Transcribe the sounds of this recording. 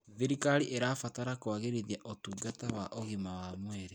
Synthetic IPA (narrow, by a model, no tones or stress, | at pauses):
ðeɾikaɾiʔeɾafataɾakoaɣeɾeðiaʔotuːɡatawaʔoɣimawamwɛɾe